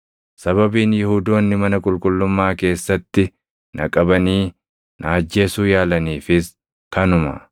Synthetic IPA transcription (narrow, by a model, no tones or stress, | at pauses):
sɐβɐbiːnjɪhuːd̪o̞ːnːɪmɐnɐkʼʊlkʼʊlːʊmːaːke̞ːsːɐt̪ːɪ | nʔɐ̰kʼɐbɐniː | nɐɐd͡ʒːe̞ːsuːjaːlɐniːfɪs | kɐnʊmɐ̰